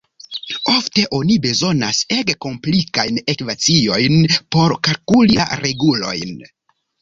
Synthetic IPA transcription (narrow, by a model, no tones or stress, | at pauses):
o̞fte̞ʔo̞nibe̞zo̞na̰seɡko̞mplikajne̞kvat͡sio̞jnpo̞ɾkalkulia̰ɾe̞ɡulo̞̰jn